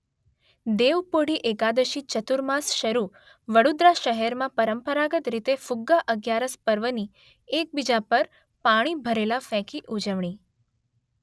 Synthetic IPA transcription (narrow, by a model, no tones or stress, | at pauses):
d̪eʋpoɽiʔeɡad̪əʃit͡ʃət̪uɾmasʃəɾu | ʋəɽud̪ɾaʃəɦɛɾmãpəɾəmpəɾaɡət̪ɾit̪efʊɡːaʔəɡjaɾəspəɾʋəni | ek̚bid͡ʒapəɾ | paɽ̃ibʱəɾelafɛ̃kiʔud͡ʒəʋɳ̃i